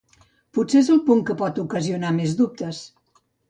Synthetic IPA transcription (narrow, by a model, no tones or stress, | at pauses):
puseezəlˠpuŋkəpɔt̪ukəziunamezðup̚t̪əs